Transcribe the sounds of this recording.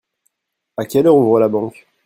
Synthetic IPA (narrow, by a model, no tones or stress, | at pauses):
akʲɛløʁɔ̃vwalabɑ̃k